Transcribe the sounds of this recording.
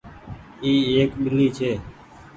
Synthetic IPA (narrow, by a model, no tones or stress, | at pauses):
iːeːkɓɪlːiːt͡ʃʰeː